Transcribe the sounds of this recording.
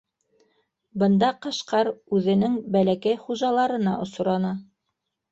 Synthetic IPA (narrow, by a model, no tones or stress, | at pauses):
bɤ̆nd̪ɑqɤ̆ʃqɑɾʉðɘ̆nɘŋbælækæjχuʒɑlˠɑɾɤ̆nɑʔŏsŏɾɑnɑ